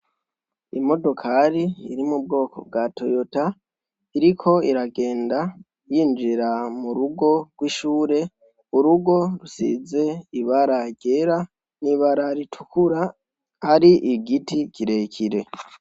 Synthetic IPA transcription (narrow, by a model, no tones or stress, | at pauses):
imo̞do̞kʰaɾiḭɾimub̚ɡo̞ːko̞̰b̚ɡatʰo̞jota | iɾikʰo̞iɾaɡe̞ːnda | jiːnd͡ʒiɾamuɾuɡo̞ɡ̥wiʃuːɾe̞ | uɾuɡo̞ɾusḭze̞iβaɾaɟe̞ɾa | niβaɾaɾitʰukʰuɾa | haɾiʔiɡitikʰiɾe̞kʰiɾe̞